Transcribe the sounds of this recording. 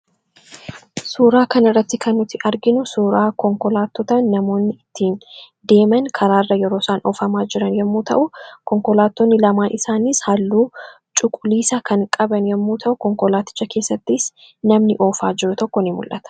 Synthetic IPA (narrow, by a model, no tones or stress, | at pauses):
suːɾaːkɐnɪrːɐt̪ːɪkɐnːʊt̪ːɪʔɐɾɡɪnʊsuːɾaːkɔŋkɔlaːt̪ːɔt̪ɐnːɐmo̞ːnːɪɪt̪ʰːiːn | d̪e̞ːmɐŋkʰɐɾaːrːɐjɛɾo̞ːsaːnʔo̰ːfɐmaːd͡ʒɪɾɐnjɛmːuːt̪ɐ̰ʔʊkɔŋkɔlaːt̪ːoːnːɪlɐmaːnʔɪsaːniːshɐlːuː | t͡ʃʼʊkʼʊliːsakɐŋkʼɐbɐnjɛmːuːt̪ʰɐʔʊkɔŋkɔlaːt̪ɪ̥t͡ʃːɐke̞ːsːɐt̪ːɪs | nɐmnɪʔo̞ːfaːd͡ʒɪɾʊt̪ɔkːɔnɪmʊ̰lʔɐt̪ɐ̥